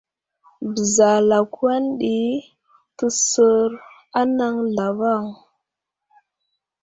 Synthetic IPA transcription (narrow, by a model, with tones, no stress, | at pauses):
bə˨za˨la˨kwa˦nɗi˦ | tə˦sə˦ɾ | a˦na˦ŋɮa˨va˦˨ŋ